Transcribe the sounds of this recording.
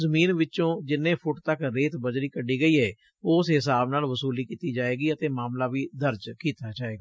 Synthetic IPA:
zəmiːnʋɪt͡ʃõːd͡ʒɪnːẽːpʰʊʈt̪əkɾeːt̪bəd͡ʒɾiːkəɖiːɡəiːɛː | ʊːsɦɪsaːbnaːlʋəsuːliːkiːt̪iːd͡ʒaːeːɡiːət̪eːmaːmlaːʋiːd̪əɾd͡ʒkiːt̪aːd͡ʒaːeːɡaː

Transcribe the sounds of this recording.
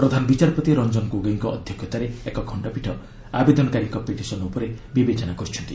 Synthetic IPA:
pɾɔd̪ʱanɔbit͡ʃaɾpɔt̪iɾɔnd͡ʒɔnɔkuɡaiŋkɔɔd̪ʱjɔkʰjɔt̪aɾeekɔkʰɔɳɖapiʈʰɔ | abed̪ɔnɔkaɾikɔpeʈisɔnɔupɔɾebibet͡ʃɔnakɔɾit͡ʃʰɔnt̪i

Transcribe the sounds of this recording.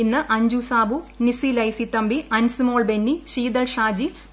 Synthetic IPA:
inːɨʔɐɲd͡ʑusaːbunisilɐjsit̪ːɐmbiʔɐnsɨmoːɭbenːiɕiːd̪ɐlʂaːd͡ʑi

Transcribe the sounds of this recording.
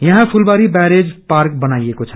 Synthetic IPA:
jɐɦãpʰulbaːɾibɛɾed͡ʒpaːɾk̚bənaiekot͡ʃʰə̥

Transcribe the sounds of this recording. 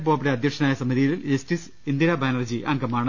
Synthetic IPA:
boːpːɐɽeɐd̪ʱjɐkʂɐnaːjɐsɐmiðijɐliljestis | ind̪iɾɐbaːnɐrd͡ʑiʔa̰ŋɡɐmaːɳɨ

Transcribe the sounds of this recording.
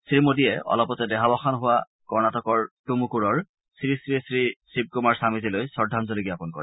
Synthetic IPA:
sɹimodiɛɔ̰lɔpɔtɛdɛɦabɔxanɦʊwa | kɔɹnatɔkɔɹtumukuɹɔɹ | sɹisɹisɹisib̚kumaɹsamizilojsɔɹdʱanzoliɡiapɔnkɔ̰ɹi

